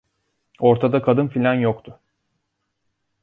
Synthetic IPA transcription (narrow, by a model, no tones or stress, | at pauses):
o̞ɾt̪ʰad̪akʰad̪ɯnfilʲanjokt̪ʰʊ